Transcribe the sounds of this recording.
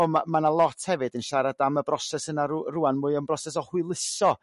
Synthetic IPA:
ɔmamanalˠɔtʰhɛvɨdənʃaɾadaməbrɔsɛsənaɾruːanmuːɨənbrɔsɛs̬ɔhwɨlˠɪsɔ

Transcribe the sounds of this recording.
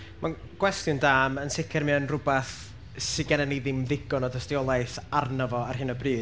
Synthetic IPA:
mʔa | ɡ̥wɛstjʊndaːmənsɪkʰɛrmɨənrʊbaθ | sɪɡanənejðɪmðɪɡɔnɔdəstiɔlˠajθarnəvɔarɦɨnəbriː

